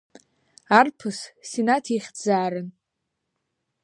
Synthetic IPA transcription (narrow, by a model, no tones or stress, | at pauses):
arpʰɨssinatʰiχʲd͡zaːɾɨn